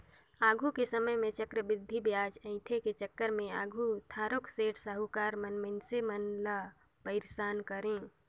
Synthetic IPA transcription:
aːɡʱukesəməɦmẽt͡ʃəkɾəbɪd̪ʱːibjaːd͡ʒə̃ɪ̃ʈʰeket͡ʃəkːəɾmẽa̰ːɡʱut̪ʰaːɾokseːʈʰsəɦukaːɾmənmɪnsemənla | pəɪɾsaːnkəɾẽ

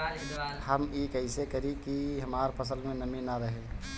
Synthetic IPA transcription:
həmikəɪsekəɾikiɦəmaɾpʰəs̬əlmẽnəminaɾəɦe

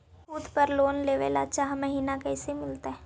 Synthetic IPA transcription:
ud̪pəɾloːnleːʋḛːla̰t͡ʃaːɦməɦiːnakɛːsemɪlt̪aɦɛː

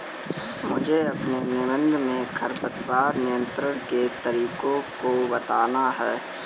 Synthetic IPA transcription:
mʊd͡ʒʱeɐpnenɪmə̃nd̪ʱmẽkʰəɾpət̪paːɾnɪjə̃nt̪ɾəɾket̪əɾiːkõkobɐt̪aːnaɦɛː

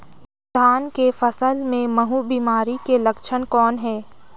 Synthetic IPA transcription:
d̪ʱaːnkefəsəlmẽmɐɦubiːmaːɾikelɐkʃʰənkɔːnɦɛː

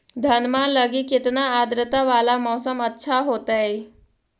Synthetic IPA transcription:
d̪ʱənmaləɡiket̪naːd̪ɾət̪aʋalamɔwsəmətːɕʰaɦot̪ae

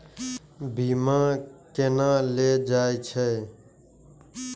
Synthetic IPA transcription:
bʱiːmãːkeːnãːled͡ʒaːet͡ʃʰɛː

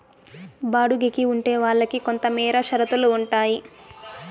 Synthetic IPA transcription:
baːɽuɡekiuɳʈeːʋaːɭːɐkiko̞nt̪ɐmiːɾɐʃɐɾɐt̪uluːɳʈaːji

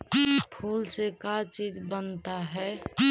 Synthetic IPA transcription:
pʰuːlsekat͡ʃiːd͡ʒbənt̪aɦɛ

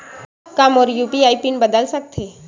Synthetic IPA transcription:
kamoːɾjuːpiaːipinbəd̪əlsək̚t̪ʰe

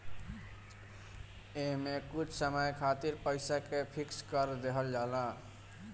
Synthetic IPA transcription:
eɦmekut͡ʃʰsəməjkʰat̪iɾpəɪsakepʰikskəɾd̪eɦəld͡ʒala

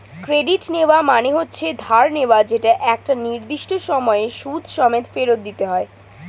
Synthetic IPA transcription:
kɾeɖiʈneoamaneɦotːɕʰed̪ʱaɾneoad͡ʑeʈaʔɛk̚ʈaniɾd̪iʃʈoʃɔmɔeʃud̪ʱʃɔmet̪feɾot̪̚d̪it̪eɦɔe

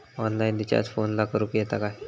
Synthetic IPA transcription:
ɔnlaind̪it͡ɕa̰d͡zfonlakʰəɾupjɛt̪akaj

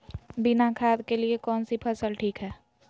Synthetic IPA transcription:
bɪnakʰaːd̪keliekɔːnsipʰəsəlʈʰiːkɦɛː

